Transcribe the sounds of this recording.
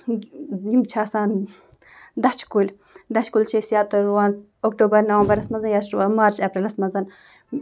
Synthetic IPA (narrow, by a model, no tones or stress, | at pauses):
imt͡ʃʰaːsaːn | d̪ɐt͡ʃʰkulʲ | d̪ɐt͡ʃkult͡ʃʰesijaːt̪ɐɾwanz | okt̪uːbɐɾnɐwɐmbɐɾɐsmɐzɐnjaʃamaːɾt͡ʃɐpɾilɐsmɐzɐn